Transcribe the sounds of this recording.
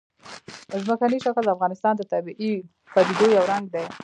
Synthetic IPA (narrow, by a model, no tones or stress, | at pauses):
zməkaniʃakld̪əafɣɑnɪst̪ɑnd̪ət̪abiʔi | pad̪id̪ojawɾaŋɡ̚d̪a